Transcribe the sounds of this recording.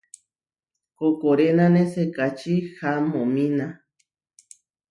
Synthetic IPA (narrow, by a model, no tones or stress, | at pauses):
kokoɾenãnesekat͡ʃihamõmĩna